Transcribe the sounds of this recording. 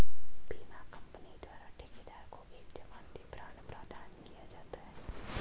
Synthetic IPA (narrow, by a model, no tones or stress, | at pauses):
biːmakɐ̃mpənid̪waːɾaʈeked̪aːɾkoʔeːkd͡ʒɐʋaːnbʱipɾaːñpɾaːd̪ʱaːnkijad͡ʒaːt̪aɦɛː